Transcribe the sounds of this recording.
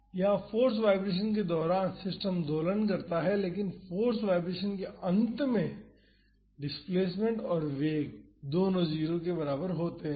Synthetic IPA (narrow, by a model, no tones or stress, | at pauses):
jafoːɾs̬ʋaːɪbɾeːʃ̬ənk̬ed̪ɔːɾaːnsɪsʈəmd̪oːlənk̬ɐɾt̪aɦɛleːkɪnfoːɾsʋaːɪbɾeːʃənkeʔɐ̃nt̪mẽ | ɖɪspleːsmẽɳʈɔːɾʋeːɡd̪oːnõd͡ʒiːɾõk̬ebɐɾaːbəɾɦoːt̪eɦɛ̃ː